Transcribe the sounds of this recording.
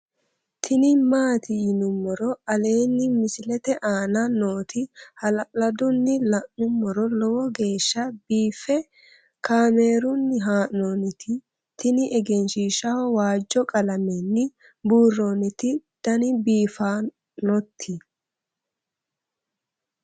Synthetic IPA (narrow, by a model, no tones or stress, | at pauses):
t̪ʰɪnɪmaːt̪ɪnʊmːɔɾɔɐle̞ːnːɪmɪsɪlɛt̪ɛʔaːnɐno̞ːt̪ɪhɐlɐlɐd̪ʊnːɪlɐʔːʊmːɔɾɔlɔwɔɡe̞ːʃːɐbiːfːɛ | kʰaːme̞ːɾʊnːɪɦaːʔnonɪt̪ʰɪ | t̪ʰɪnɪʔɛɡɛnʃiːʃɐwɔwaːd͡ʒːɔkʼɐlɐmɛnːɪ | buːrːoːnɪt̪ɪd̪̥ɐnɪbiːfaː | nɔt̪ʰːɪ